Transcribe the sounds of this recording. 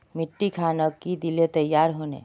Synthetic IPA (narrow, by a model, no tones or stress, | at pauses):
mɪʈːikʰaːnəkːid̪ilet̪əjːaːɾɦonḛ